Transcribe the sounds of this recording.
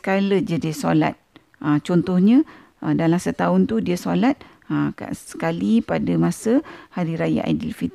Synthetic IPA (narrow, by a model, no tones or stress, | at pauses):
kaləd͡ʒadisola̰t̪̚ | ʔət͡ʃɔnt̪ɔhɲə̃ | ədalamsət̪aʊnt̪udiasolat̪̚ | əka̰ʔə̥kalipadamãsəhaɾiɾaja̰ʔa̰dilfit̪